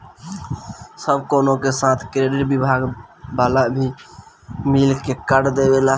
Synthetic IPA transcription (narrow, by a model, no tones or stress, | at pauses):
səbkoːnokesaːt̪ʰkɾeːɖɪʈbibʱaɡbaːlabʱi | milkekəɽd̪ebela